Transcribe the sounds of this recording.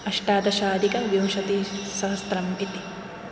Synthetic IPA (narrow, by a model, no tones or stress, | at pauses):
ɐʂʈaːd̪ɐʃaːd̪ikɐʋjɐmʃɐt̪isɐɦɐsɾɐmit̪i̥